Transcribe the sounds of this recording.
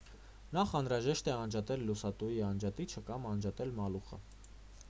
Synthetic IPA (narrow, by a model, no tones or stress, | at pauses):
nɑχɑnɾɑʒɛʃt̪ɛɑnd͡ʒɑt̪ɛlːusɑt̪ujiɑnd͡ʒɑt̪it͡ʃʰəkɑmɑnd͡ʒɑt̪ɛlmɑluχə̰